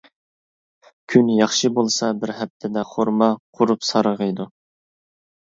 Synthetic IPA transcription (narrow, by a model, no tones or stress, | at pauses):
kʲʰynjɑχʃɨbolˠsɑbɪɾɦɛp̚t̪ʰɪd̪ɛχoɾmɑqʰʊɾupsɑɾəʁəjd̪u